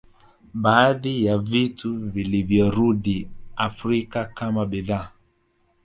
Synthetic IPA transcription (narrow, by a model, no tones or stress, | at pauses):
baːðijavituvilivjɔɾuɗiafɾikakamaɓiða